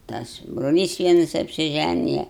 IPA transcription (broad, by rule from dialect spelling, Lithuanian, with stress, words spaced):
ˈtɐs broːˈlʲiːs ˈʋʲiɛnɐs ɐpʲsʲɪˈʒʲænʲɪjɛ